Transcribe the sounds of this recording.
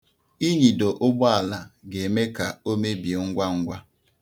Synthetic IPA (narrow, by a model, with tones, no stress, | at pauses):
i˦ɲi˨do˨ʔʊ˦bʊ˦a˨la˨ɡe˨me˦ka˨o˦me˦bje˨ŋ̩˦ɡʷa˦ŋ̩˦ɡʷa˦